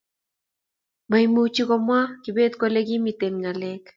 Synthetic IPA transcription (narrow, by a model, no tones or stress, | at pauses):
majmut͡ʃikomwakibet̪kʷaleɡimit̪enŋalek